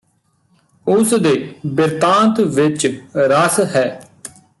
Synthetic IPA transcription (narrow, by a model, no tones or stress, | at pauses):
ʊsd̪eːbɪɾt̪ãːnt̪ʋɪt͡ʃɾəsɦɛː